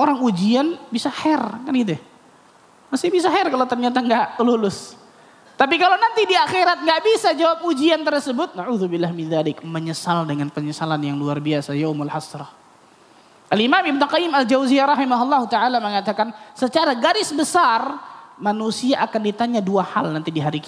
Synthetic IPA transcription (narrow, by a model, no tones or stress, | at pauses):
ʔoɾaŋud͡ʒianbisahɛrkanɡit̪uja | masɪhbis̬aɦɛrkalawt̪ərɲat̪aŋɡaʔlulʊs | t̪ap̬ikalawnant̪idiaxeɾat̪̚ŋɡaʔbisad͡ʒawap̚ud͡ʒiant̪ərsəbʊt̪̚naʕuːðubɪlːahmɪnðalɪkməɲəsaldəŋanpəɲəsalanjaŋluarbiasajawmalhasɾɑ | ʔalimamɪbnʊqɑjɪmald͡ʒawziaɾˤɑɦimaɦulˠˤːɑɦut̪aʕalaməŋat̪akansət͡ʃaɾaɡaɾɪsbəsarmanusiaʔakandit̪aɲaduaha̰lnant̪idiɦaɾiki